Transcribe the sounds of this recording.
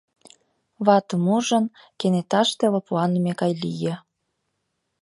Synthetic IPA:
βɑt̪əmuʒə̆n | kenet̪ɑʃt̪eβŏpuɑnmekɑjlijĕ

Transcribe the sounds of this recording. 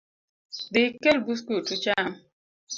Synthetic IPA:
dɪkelbuskutut͡ʃam

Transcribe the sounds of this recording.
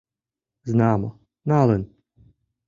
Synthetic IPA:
znaːmɔ | nalˠɛn

